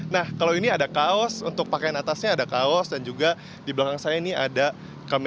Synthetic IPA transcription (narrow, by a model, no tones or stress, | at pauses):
nahkalawiniadakaɔsunt̪ʊk̚pakajanat̪asɲaːdakaɔsdand͡ʒuɡa | diblakaŋsajainiada | kam